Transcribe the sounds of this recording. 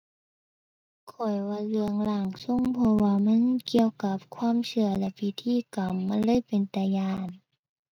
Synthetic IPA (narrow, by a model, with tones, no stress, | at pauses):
kʰɔ˨˩jwaː˧˩lɯ˧əŋla˧˩ŋso˧˥˨ŋpʰɔ˧waː˧ma˧˥˨nki˧˨əwka˧˦p̚kʰwaː˧˥˨msɯ˧˩ɐlɛ˧pi˧˩t̪ʰiː˧˨ka˨mːa˧˥˨nlɤː˧˥˨jpe˨nt̪a˧jaː˧n